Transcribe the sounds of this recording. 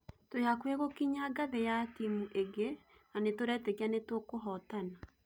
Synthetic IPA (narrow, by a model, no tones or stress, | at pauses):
tojakweɣokiɲaɡaβejatimuʔeɡe | nanetoɾɛteɣianetwokoɦɔtana